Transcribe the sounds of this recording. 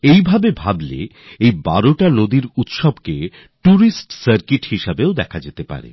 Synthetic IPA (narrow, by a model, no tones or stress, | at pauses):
ejbʱabebʱablḛ | ejba̰ɾoʈanod̪iɾut̪ʃɔbke | ʈuɾisʈsəɾkiʈhiʃabeod̪ɛkʰad͡ʑet̪epa̰ɾḛ